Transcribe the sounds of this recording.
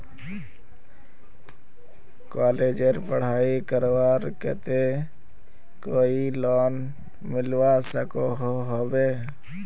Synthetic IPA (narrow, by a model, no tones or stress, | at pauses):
kaːleːd͡ʒəɾpəɽ̤aːikəɾwaːɾkɛ̰t̪e | koːilɔːn | mɪlwasəkoɦoɦobeː